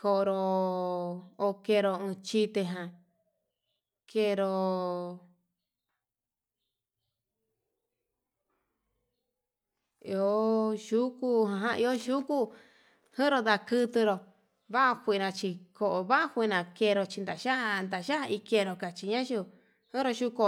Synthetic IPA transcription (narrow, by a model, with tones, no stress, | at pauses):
ko˧˨˧ɾo˧ | o˧ke˧ɾo˧ɨ̃˧t͡ʃi˧t̪e˧ɦã˨ | ke˧ɾo˧ | i˧o˧˦ʃu˦ku˦ɦã˧ɦã˧i˧o˦ʃu˦ku˦ | hɨ̃˦ɾo˧d̪a˧kɨ˦˧t̪ɨ˧ɾo˧ | βa˦a˧kʷi˧˨˧nã˧t͡ʃi˧ko˨ʔo˨βa˦ʔa˦hʷi˧˨˧nã˧ke˧ɾo˧t͡ʃi˧nd̪a˨ʃa˦ʔnd̪a˨ʃa˦˧i˧ke˧˨˧ɾo˧ka˨t͡ʃi˧ɲã˦ʒu˧ | hɨ̃˦ɾo˧ʃu˧ko˧